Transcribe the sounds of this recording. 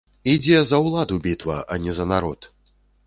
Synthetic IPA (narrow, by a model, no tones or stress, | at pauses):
id͡zʲɛzɐwlˠad̪ubʲit̪vɐ̰ʔɐnʲɛzɐnaɾɔt̪